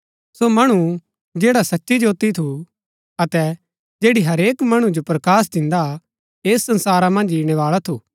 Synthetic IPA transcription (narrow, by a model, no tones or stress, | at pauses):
somɐɽ̃u | d͡ʒeːɽasɐtːʃid͡ʒoːt̪it̪ʰu | ɐt̪ɛ | d͡ʒeːɽiɦɐɾeːkmɐɽ̃ũd͡ʒopɾɐkaːs̬d̪ɪ̃nd̪a | eːsːɐ̃nsaːɾamɐ̃nd͡ʒiːɽ̃ɛʋaːɭat̪ʰuː